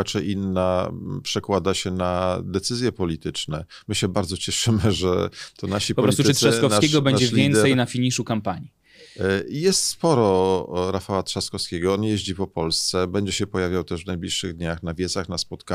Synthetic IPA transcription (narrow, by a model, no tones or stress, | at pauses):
at͡ʂɛʔinːapʂɛkwad̪aɕɛnad̪ɛt̪sɘzʲjɛpɔlʲit̪ɘt͡ʂnɛ | mɘɕɛbaɾd̪zɔt͡ɕɛʂɘmɘʐɛ̰t̪ʰɔnaɕipɔpɔlɾɔist̪ut̪ʂakɔfnakeɛɡɔbɛɲad͡ʑɛvlʲjɛint̪sɛjnafʲiɲiʂukampaɲi | jɛst̪spɔɾɔɾafawat̪ʂaskɔfskʲeɡɔɔnjeʑd͡ʑipɔpɔlst̪sɛbɛɲd͡ʑɛɕɛpɔjavʲjawt̪ɛʐvnajblʲiʂːɘɣd̪ɲaxnavʲjɛt̪saxnaspɔt̪ka